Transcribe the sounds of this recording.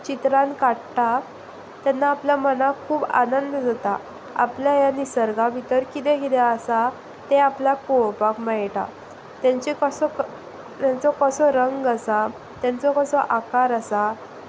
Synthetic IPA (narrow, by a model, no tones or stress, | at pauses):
t͡ɕit̪ɾãnkaʈʈa | t̪janːaːpljamənakʰuːba̰nənd̪d͡zʱat̪a | a̰pljajanisəɾɡabʱit̪əɾkit̪ɛkit̪easa | t̪eaplapoɭpakmajʈa̰ | t̪jaɲt͡ɕikəsɔ | t̪jãnt͡sɔkəsɔɾəŋɡasa | t̪jant͡sɔkəsɔʔakaɾasa